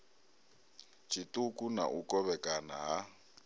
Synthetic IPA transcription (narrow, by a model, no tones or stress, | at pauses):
t͡ʃʰʼitʼukʼuna̰ʔukʼɔβɛkʼanaɦa